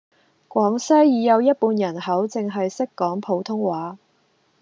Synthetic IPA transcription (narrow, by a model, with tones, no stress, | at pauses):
kʷɔː˨˥ŋsɐ˥jjiː˨˧jɐ˨˧wjɐ˥t̚puː˧njɐ˨˩nhɐ˨˥wt͡sɪ˨ŋɦɐ˨jsɪ˥kːɔː˨˥ŋpʰo˨˧wt̪ʰʊ˥ŋwaː˨˥